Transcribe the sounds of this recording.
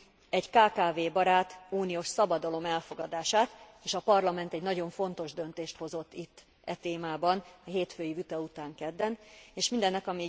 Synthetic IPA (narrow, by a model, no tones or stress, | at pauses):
ɛɟkaːkaːveːbɒɾaːt̪uːnijoːʃsɒbɒd̪ɒlo̞mɛlfo̞ɡɒd̪aːʃaːt̪eːʃɒpɒrlɒmɛnt̪ɛɟnɒɟo̞ɱfo̞nt̪o̞ʒd̪ø̞nt̪eːʃt̪ho̞zo̞t̪ːit̪ː | ɛt̪eːmaːbɒnɒɦeːt̪føːjivyt̪ɒut̪aːŋkɛd̪ːɛneːʃmind̪ɛnːɛkɒmi